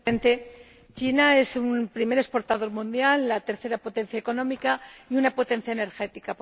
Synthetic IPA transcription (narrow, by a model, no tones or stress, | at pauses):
ent̪e̞ | t͡ʃinae̞sumpɾime̞ɾe̞spo̞ɾt̪að̞o̞ɾmũnd̪jalːat̪e̞ɾθe̞ɾapo̞t̪ẽ̞n̟θjaeko̞nõ̞mikaiunapo̞t̪ẽ̞n̟θjaene̞ɾxe̞t̪ika